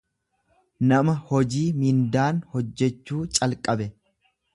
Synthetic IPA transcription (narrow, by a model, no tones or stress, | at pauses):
nɐmɐhɔd͡ʒiːmɪnd̪aːnhɔd͡ʒːɛt͡ʃːuːt͡ʃʼɐlkʼɐbɛ